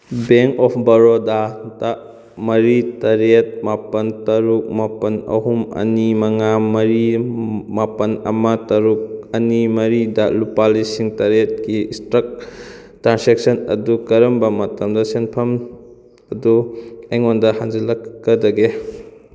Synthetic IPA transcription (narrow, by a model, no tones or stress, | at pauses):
beŋkɔpʰbɐɾodada | mɐɾitɐɾet̚mapɐntɐɾuk̚mapɐnɐ̰ɦumɐ̰nimɐŋamɐɾimapɐnɐ̰mɐtɐɾuk̚ɐnimɐɾidɐlupalisiŋtɐɾet̚kiistɾɐk̚ | tɾansek̚sɐnɐ̰dukɐɾɐmbɐmɐtɐmdɐsenpʰɐm | ɐduejŋondɐhaŋd͡ʒɐlɐkːɐdɐɡe